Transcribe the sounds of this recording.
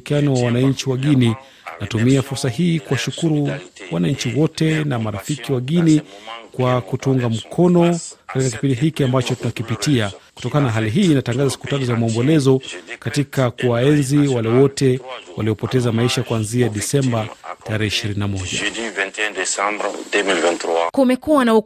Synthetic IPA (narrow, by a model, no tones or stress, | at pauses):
kianɔwawanaɲt͡ʃiwaɠini | natumiafuɾsaɦiːkuwaʃukuɾuwanaɲ̩t͡ʃiwɔtɛnamaɾafikiwaɠinikwakutuŋɡam̩kʰɔnɔkatikaki̥pindiɦikiambat͡ʃɔtunakipitiaku̥tɔkananaɦaliɦiːnataŋɡazasi̥kutatuzamaɔmbɔlɛzɔkatikakuwaɛnziwalɛwɔtɛwaliɔpɔtɛzamaiʃakuwanziaɗisɛmbataɾɛhɛiʃiɾininamɔʄa̰ivɛntndɛsambdɛmilvɛntɾakumɛkuwanau